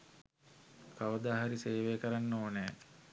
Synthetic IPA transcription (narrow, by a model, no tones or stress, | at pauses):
kaʋəd̪aːɦaɾiseːʋeːkəɾanːoːneː